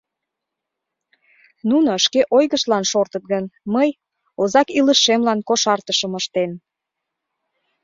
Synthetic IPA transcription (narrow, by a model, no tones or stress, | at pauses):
nunoʃkeʔojɣəʃlɑnʃort̪ət̪̚ɣənməj | ozɑkiləʃːemlɑnkoʃɑrt̪əʃəməʃt̪en